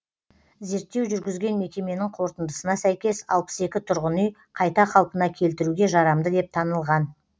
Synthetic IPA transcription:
ze̞ɾt̪ːe̞wʒʏɾɡʲɪzɡʲe̞nme̞kʲe̞me̞nɪŋqʰo̞ɾt̪ənd̪əsənɑsæjkʲe̞sɑ̰lˠpə̥se̞kʲɪt̪ʰʊɾʁənʏj | qʰɑjt̪ɑqʰɑlˠpənɑkʲʰe̞lt̪ɪɾuɡʲe̞ʒɑɾɑmd̪əd̪e̞p̚t̪ʰɑnəlˠʁɑn

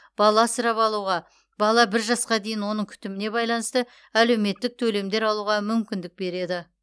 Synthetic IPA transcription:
b̥ɑlˠɑsəɾɑpɑlˠuʁɑ | bɑlˠɑbɪɾʒɑsqɑd̪e̞jɪnwo̞nəɴŋkʲʰʏ̥t̪ɪmɪne̞bɑjlˠɑnəst̪ə | æle̞wme̞t̪ːɪk̚t̪ʰɵle̞md̪e̞ɾɑlˠuʁɑmʏmkʲɪnd̪ɪk̚be̞ɾe̞d̪ɪ

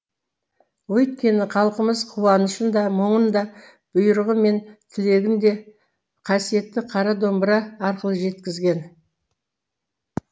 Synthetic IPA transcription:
wɵjt̪kʲe̞nɪqʰɑlˠqəməzqʰuwɑnəʃənd̪ɑməɴənd̪ɑ | b̥ʊjəɾʁəme̞nt̪ʲʰɪle̞ɡʲɪnd̪e̞ | qʰɑsije̞t̪ːɪqʰɑɾɑd̪o̞mbəɾɑːɾqəlˠəʒe̞t̪kʲɪzɡʲe̞n

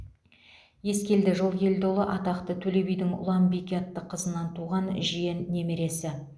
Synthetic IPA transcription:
je̞skʲe̞ld̪ɪʒolˠjʲe̞ld̪o̞lˠəʔɑt̪ɑqt̪ət̪ʰɵle̞bijd̪ɪŋʊ̰lˠɑmbikʲeɑt̪ːəqʰəzənɑnt̪ʰuʁɑnʒijenːe̞meɾe̞sɪ

